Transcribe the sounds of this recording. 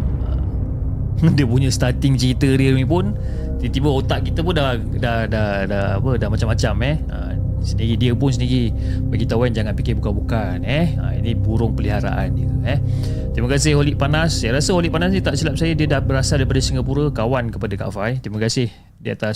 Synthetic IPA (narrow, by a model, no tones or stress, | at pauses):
ə̰m | diəpuɲəst̪at̪ɪŋt͡ʃəit̪əɾiənipʊn | t̪iət̪ibəot̪aʔkit̪əp̬ʊnda | dahdah | daa̰pədahmat͡ʃamːat͡ʃamɛh | ə̰ | səniɾidiəpʊns̬əniɾi | baɡit̪awand͡ʒaŋanpikɪbukabuka | nɛə̰ḭnibuɾʊŋpəliɦaɾa̰ʔa̰ndəɛh | t̪ɾiməkasɪholiʔpanasːaɾasəɦoliʔpanas̬nit̪aʔsilap̚sajədiədahbəɾasadaɾip̬adəsəŋɡap̬uɾəkawankəpadəka̰fajt̪ɾiməkasɪh | diəat̪a